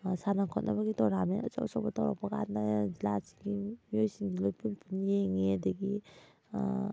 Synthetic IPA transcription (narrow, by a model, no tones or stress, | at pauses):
sanakʰɔt̚na̰baɡitɔɾameɔ̰t͡ʃɔ̰ksɔbatawɾa̰k̚paka̰ndazilasi̥ɡimiojsiŋɡilojpʰunpʰunijeŋeadaɡi